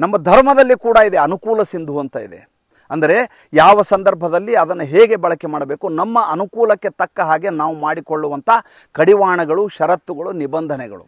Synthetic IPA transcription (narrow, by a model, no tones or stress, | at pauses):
nɐmːɐd̪ʱɐɾmɐd̪ɐlːikuːɽɐid̪e̞ɐnukuːlɐsind̪ʱuɦɐnt̪ɐḭd̪ḛ | ɐnd̪ɐɾe̞ | jaːʋɐsɐnd̪ɐɾbʱɐd̪ɐlːiɐd̪ɐnːɐɦeːɡe̞bɐɭɐke̞maːɽɐbeːkunɐmːɐʔɐnukuːlɐkːe̞t̪ɐkːɐɦaːɡe̞naːʋumaːɽikoɭːuʋɐnt̪ʰɐ | kɐɽiʋaːɳɐɡɐɭuʃɐɾɐt̪ːuɡɐɭunibɐnd̪ʱɐnɛɡɐ̰ɭṵ